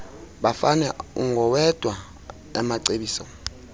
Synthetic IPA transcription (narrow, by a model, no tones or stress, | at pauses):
ɓafanɛuŋɡʱɔwɛd̥ʱwa | ɛmaǀeɓiːsɔ̰